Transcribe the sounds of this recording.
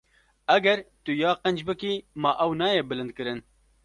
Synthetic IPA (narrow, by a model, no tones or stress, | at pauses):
ɛɡɛɾt̪ʊjɑːqɛnd͡ʒbɨkiːmɑːʔɛwnɑːjeːbɨlɨnd̪̚kɨɾɨn